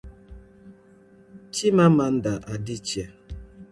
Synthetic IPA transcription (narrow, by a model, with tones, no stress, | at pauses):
t͡ʃi˦ma˦ma˨n̩˦da˨ʔa˨di˦t͡ʃja˨